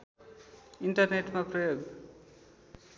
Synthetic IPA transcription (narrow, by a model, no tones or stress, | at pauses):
inʈʌrneʈmaprʌjoɡ